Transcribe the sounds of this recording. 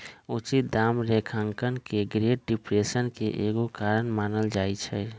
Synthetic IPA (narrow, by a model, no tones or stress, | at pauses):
ut͡ʃit̪̚d̪aːmɾekʰəŋkənkeɡɾeːʈ̚ɖɪpɾeːsənkeʔeɡokaːɾənmaːnəld͡ʒaːit͡ʃʰɛ